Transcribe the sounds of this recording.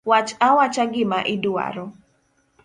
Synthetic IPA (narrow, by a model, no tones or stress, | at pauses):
wat͡ʃawat͡ʃaɡɪmaʔɪdua̰ɾɔ